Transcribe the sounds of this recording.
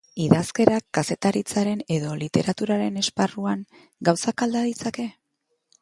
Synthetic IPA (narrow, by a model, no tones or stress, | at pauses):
iðaske̞ɾakːase̞t̪aɾit͡saɾe̞ne̞ðo̞lit̪e̞ɾat̪uɾaɾe̞ne̞sparuaŋ | ɡawsakald̪aðit͡sake̞